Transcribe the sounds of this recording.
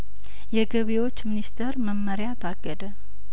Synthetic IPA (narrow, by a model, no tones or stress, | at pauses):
jɛɡəβewo̞t͡ʃːminist̪ʰeɾməmːəɾjat̪ʰaɡːəd̪ə